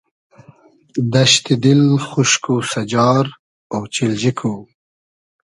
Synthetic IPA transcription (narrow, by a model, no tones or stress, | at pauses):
d̪aʃt̪ɪd̪ɪlxʊʃkusad͡ʒɑːɾ | awt͡ʃɪld͡ʒɪkʰu